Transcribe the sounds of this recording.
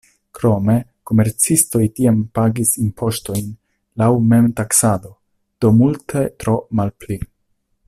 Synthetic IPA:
kɾo̞me̞ko̞me̞ɾt͡sisto̞jtiampaɡisimpʰo̞ʃto̞jn | lawme̞mtaksad̪o̞ | d̪̥o̞multʰet̪ɾo̞malpli

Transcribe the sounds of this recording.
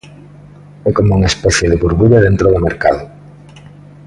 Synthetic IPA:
ɛkomouŋaespɛθjeðɪβuɾβuɾɐðent̪ɾoðʊmeɾka̰ðʊ

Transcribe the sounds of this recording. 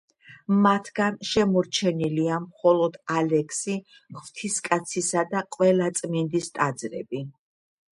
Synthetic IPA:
mat̪ʰɡanʃɛmɔɾt͡ʃʰɛniliamχɔlˠɔd̪̥alɛkʰsi | χv̥t̪ʰiskʼat̪sʰisad̪aqʼwɛlˠat̪sʼmind̪ist̪ʼad̪zɾɛ̰bi

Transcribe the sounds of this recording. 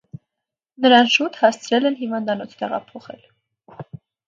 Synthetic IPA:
nəɾɑnʃut̪hɑst͡sʰɾɛlɛnɦivɑnd̪ɑnɔt͡sʰt̪ɛʁɑ̰pʰɔχɛ̰l

